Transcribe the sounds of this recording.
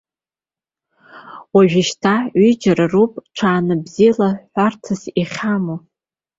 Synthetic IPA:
waʒᶣɪʃtʰaid͡ʒaɾarupʼʈ͡ʂʰaːnɨbzijalaħʷartʰɨsiχʲamo

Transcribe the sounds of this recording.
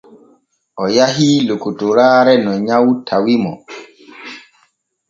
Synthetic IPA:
ʔɔjaɦilokutuɾaːɾɛnɔɲawtʰawimɔ

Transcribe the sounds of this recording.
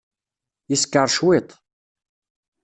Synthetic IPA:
jiskːəɾˤʃwɪt̪ˤ

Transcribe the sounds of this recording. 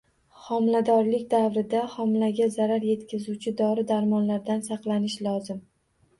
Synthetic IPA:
χɒmlad̪ɒɾlɪkʲd̪avɾɪd̪aχɒmlaɡʲazaɾaɾje̞t̪kʲʰazut͡ʃʰɪd̪ɒɾɪd̪aɾmɒnlaɾd̪ansɑqlˠanɪʃlɒzɪm

